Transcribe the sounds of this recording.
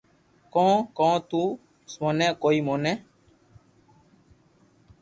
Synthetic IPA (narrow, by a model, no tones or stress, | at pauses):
kɔ̃ːkɔ̃ːt̪uː | smoːnɛ̃ːkoːiːmoːnɛː